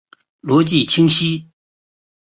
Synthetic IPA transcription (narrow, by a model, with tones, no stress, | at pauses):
lo˩˨t͡ɕi˥˨t͡ɕʰi˥ŋɕi˥